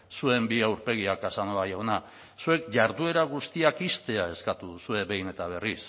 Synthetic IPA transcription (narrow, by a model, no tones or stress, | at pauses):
sue̞mbiawɾpe̞ɣ̞iakasanoajawna | sue̞kʝaɾðue̞ɾaɣ̞ust̪iakist̪e̞ae̞skat̪uusue̞βe̞jne̞t̪aβ̞e̞ris